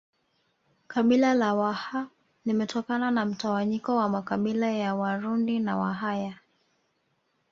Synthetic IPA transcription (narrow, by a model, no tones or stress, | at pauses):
kaɓilalawaha | limɛtʰɔkananam̩tawaɲikɔwamakaɓilajawaɾundinawa̰ɦaja